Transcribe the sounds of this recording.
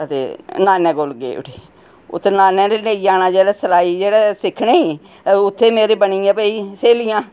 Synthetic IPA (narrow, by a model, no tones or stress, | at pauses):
ət̪ḛːnaːnɛ̃ːɡoːlɡḛːʊ̰ʈeː | ʊ̰t̪ʰːeːnaːnɛ̃ːɾeːneːijaːnaːd͡ʒeːɽɛːsəlaːiːd͡ʒeːɽɛːsɪkʰːneːiː | ʊt̪ʰːeːmeːɾeːbəniːãːpəiːseːlijãː